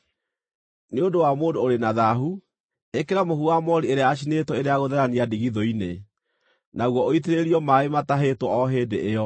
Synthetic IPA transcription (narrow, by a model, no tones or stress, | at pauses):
neodowamoːdoːɾenaðaɦu | ekeɾamohuamɔɾieɾeaːʃ̬inetɔeɾeaɣoðɛɾaniadiɣiðoine | naɣwɔoiteɾeɾiɔmaemataɦetwɔɔɦeːdeʔːɔ